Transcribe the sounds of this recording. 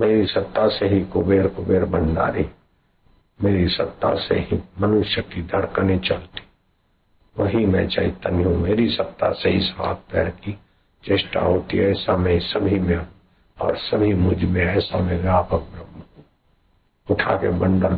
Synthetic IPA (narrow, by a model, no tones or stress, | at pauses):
meːɾisɐt̪ːaseɦikʊbeːɾkʊbeːɾbʱə̃nɖa̰ːɾi | meːɾisɐt̪ːa̰sḛɦimənʊʃjəkid̪ʱəɽkənẽt͡ʃəlt̪i̥ | ʋəɦimɛ̰̃t͡ʃait̪aniɦũmeːɾisət̪ːa̰seɦisəʋa̰ːt̪̚pɛ̰ːɽki | t͡ʃeːʃʈa̰ɦoːt̪ḭɛːsamẽsəbʱimẽ | ɔ̰ːɾsəbʱimʊd͡ʒʱmẽɛːsamẽɡaːpək̚bɾəmːkũ | ʊʈʰa̰kḛbə̃ɳɖəɾ